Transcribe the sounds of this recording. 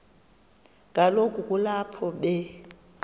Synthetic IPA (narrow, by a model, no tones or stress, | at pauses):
ŋʱʼalokʼukʼulapʰɔɓɛ